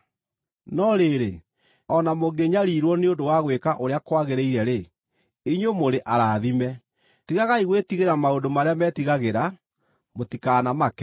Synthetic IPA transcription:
nɔɾeɾḛ | ɔnamoɡeɲaɾiɾwɔneondowaɣwekaʔoɾeakwaɣeɾeiɾɛɾe | iɲomoɾeʔaɾaːðimɛ | tiɣaɣaiɣwetiɣeɾamaondomaɾeamɛːtiɣaɣeɾa | motikanamakɛ

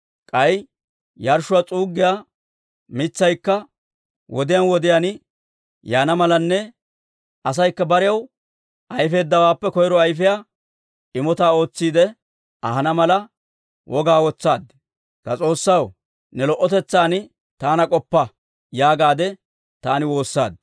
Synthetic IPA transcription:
kʼɐj | jɐɾʃʊwaːt͡sʼuːɡːɪjaː | mɪt͡sːɐjkːɐ | wɔd̪ɪjɐnwɔd̪ɪjanɪ | jaːnɐmɐlɐnːɛ | ʔɐs̬ɐjkːɐbɐɾɪjɐw | ʔɐjfe̞ːd̪ːɐwaːpːɛkɔjɾɔɐjfɪjaː | ɪmɔt̪aːo̞ːt͡sːiːd̪ɛ | ɐhɐnɐmɐlɐ | wʔɔɡaːwɔt͡sːaːd̪ | kɐt͡sʼo̞ːsːɐw | nɛlɔʔːɔt̪ɛt͡sːaːnɪ | t̪aːnɐkʼɔpːɐ | jaːɡaːd̪ɛ | t̪aːnɪwo̞ːsːa̰ːd̪̚

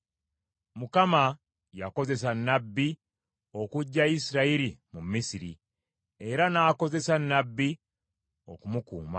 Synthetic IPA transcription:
mukama | jako̞ze̞s̬anːabːi | o̞kuɟːaisiɾaiɾimumːisiɾḭ | e̞ɾanaːko̞ze̞sanːabːi | o̞̰kumukṵːma̰

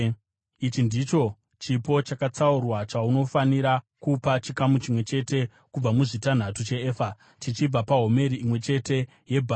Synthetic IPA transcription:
it͡ʃindit͡ʃo̞ | t͡ʃipo̞t͡ʃakat͡saurwat͡ʃauno̞faniɾa | kupat͡ʃikamut͡ʃimwe̞t͡ʃe̞te̞ | kub͡vamuʐitan̤atut͡ʃe̞eːfa | tit͡ʃib͡vapaɦo̞me̞ɾiimwe̞t͡ʃe̞te̞ | je̞bʱa

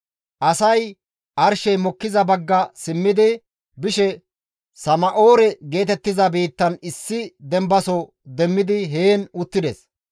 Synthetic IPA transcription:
ʔɐsɐj | ʔɐɾʃɛjmɔkːɪzɐbɐɡːɐsɪmːɪd̪ɪ | bɪʃɛ | sɐmɐʔo̞ːɾɛɡe̞ːt̪ɛt̪ːɪzɐbiːt̪ːɐnɪsːɪd̪ɛmbɐsɔ | d̪ɛmːɪd̪ɪɦeːnʊt̪ːɪd̪ɛs

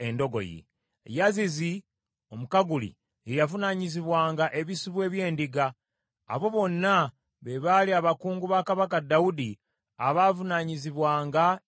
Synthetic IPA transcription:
e̞ndo̞ɡo̞̰jḭ | jazizi | o̞mukaɡulḭ | ejavunaɲiziβwaːŋɡaʔe̞βisiβwe̞ːβje̞ːndiɡa̰ː | βo̞βo̞nːa | βeβaliaβakuːŋɡuβaːkaβakadːaudi | aβaːvunaɲiziβwaːŋɡa

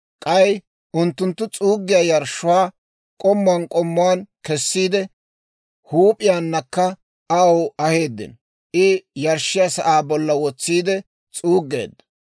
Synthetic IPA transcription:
kʼɐj | ʊnt̪ːʊnt̪ːʊt͡sʼuːɡːɪjaːjɐɾʃːʊwaː | kʼɔmːaːnkʼɔmːʊaːnkɛsːiːd̪ɛ | huːpʼɪjaːnːɐkːɐ | ɐwɐhe̞ːd̪ːɪ̰n | ʔɪjɐɾʃːɪjasɐʔaːbɔlːɐwɔt͡sːiːd̪ɛ | t͡sʼuːɡːe̞̰ːd̪ːɐ̥

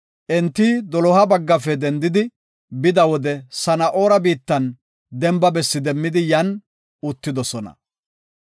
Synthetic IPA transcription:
ʔɛnt̪ːid̪ɔlɔhɐbɐɡːɐfɛd̪ɛnd̪ɪd̪ɪ | bɪd̪ɐwɔd̪ɛsɐnɐʔo̞ːɾɐbiːt̪ːɐn | d̪ɛmbɐbɛsːɪd̪ɛmːɪd̪ɪjɐn | ʊt̪ːɪd̪ɔsɔnɐ̰

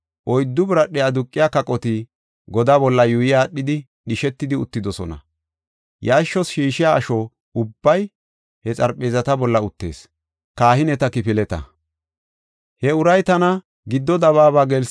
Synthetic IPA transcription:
ʔɔjd̪ːʊbɪɾɐɗɛɐd̪ʊkʼːɪjaːkɐkʼɔt̪i | ɡɔd̪aːbɔlːɐjʊjɪjaːɗɪd̪ɪ | ɗɪʃɛt̪ːɪd̪ɪʊt̪ːɪd̪ɔsɔ̰nɐ̰ | jaːʃːɔsʃiːʃɪjaːʃɔ | ʊbːɐj | hɛt͡sʼɐɾpʼːe̞ːzɐt̪ɐbɔlːɐʊt̪ːe̞̰ːs | kaːhɪnɛt̪ɐkɪfɪlɛt̪ɐ̰ | hɛʊɾɐjt̪ɐnɐ | ɡɪd̪ːɔd̪ɐβaːβaːɡɛls

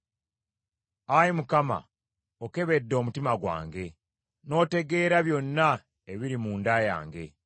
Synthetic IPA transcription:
ajimukama̰ | oke̞βe̞dːo̞ːmutimaɡwa̰ːŋɡe̞ | no̞ːte̞ɡe̞ːɾaβjo̞nːa | e̞βiɾimuːndaja̰ːŋɡe̞

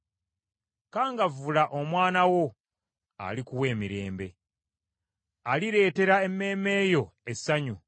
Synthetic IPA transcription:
kaːŋɡavulaʔo̞mwaːnawo̞ | a̰likuwe̞ːmiɾe̞ːmbe̞̰ | aliɾe̞ːte̞ɾae̞mːe̞ːme̞ːjoe̞sːaɲu

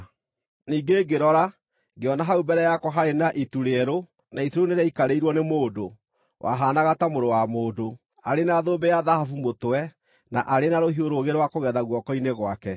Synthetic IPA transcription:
niːɡeːɡeɾɔɾa | ɡeɔnaɦaubɛɾɛjakwɔɦaɾenaʔituɾeɛɾo | naituɾoneɾaikaɾeiɾwɔnemoːdo | wʔa̰ɦaːnaɣatamoɾowamoːdo | aɾenaːðoːbɛjaðahafumotowɛ | naʔaɾenaɾoɦioɾoɣeɾowakoɣɛðaɣwɔkɔineɣwakɛ

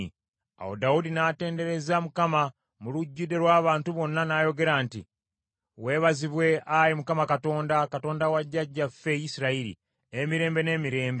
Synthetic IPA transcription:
a̰wo̰daudinaːte̞ːnde̞ɾe̞zamukama | muluɟːude̞ɾwaːβaːntuβo̞nːanaːjo̞ɡe̞ɾaːntḭ | we̞ːβaziβwe̞ajimukamakato̞ːndakato̞ːndawaɟːaɟːafe̞jisiɾaiɾḭ | emiɾe̞ːmbe̞ne̞ːmiɾe̞ːmbe

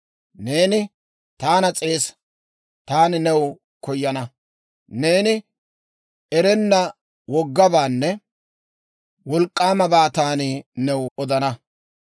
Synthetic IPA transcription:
ne̞ːnɪ | t̪aːnɐt͡sʼe̞ːs | t̪aːnɪnɛw | kɔjːɐnɐ | ne̞ːnɪ | ɛɾɛnːɐ | wɔɡːɐbaːnːɛ | wɔlkʼːaːmɐbaːt̪aːnɪnɛwɔd̪ɐnɐ

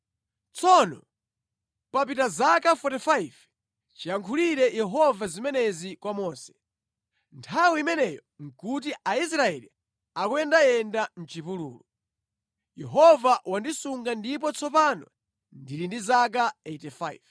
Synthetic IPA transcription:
t͡sʰɔnɔ̰ | pap̬itazakafɔtifaiv | t͡ʃijaŋkʰuliɾɛjɛɦɔvazimɛnɛzikwamɔːsɛ̥ | ntʰawiimɛnɛjɔ | ŋ̩kut̬iais̬ɾaɛlḭ | akwɛndajɛndan̩t͡ʃipulṵːlu | jɛɦɔvaʔwandisuŋɡandip̬ɔt͡sʰɔpanɔ̰ | ndiɾindizak̬aetɛfaiv

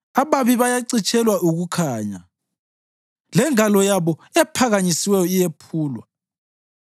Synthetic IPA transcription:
aβaβiβajaǀit͡ʃʼɛlwaʔuɣukʰaːɲa̰ | lɛŋalɔjaβɔɛpʰaɣaɲisiwɛjɔijepʰuːlwa

